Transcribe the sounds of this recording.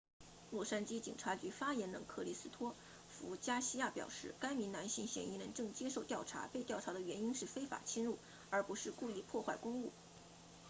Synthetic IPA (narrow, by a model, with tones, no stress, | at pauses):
lwɔ˥˩ʂa˥nt͡ɕi˥t͡ɕḭ˨˩ŋʈ͡ʂʰa˧˥t͡ɕy˧˥fa˥jɛ˧˥nnɤ̰˨˧˩ŋkʰɤ˥˩li˧˥˩sɹ̩˥t̪ʰwɔ˥ | fu˧˥t͡ɕja˥ɕi˥ja˥˩pjɑ˨˩ʊʂɻ̩˥˩ka˥ɪmi˧˥na˧˥nɕi˥˩ŋɕjɛ̰˧˩ni˧˥ɻə˧˥nʈ͡ʂɤ˥˧˩ŋt͡ɕjɛ˥ʂo˥˧ʊt̪jɑ˥˩ʊʈ͡ʂʰa̰˧˥pe˥˧ɪt̪jɑ˥˩ʊʈ͡ʂʰa˧˥d̪ə˧ɥɛ˧˥ni˥nʂɻ̩˥˩fe˥ɪfa̰˨˩t͡ɕʰi˥nɻu˥˩ | ə˞˧˥pu˧˥ʂɻ̩˥˧ku˥˧i˥˧pʰwɔ˥˧xwa˥˩ɪkʊ˥ŋu˥˩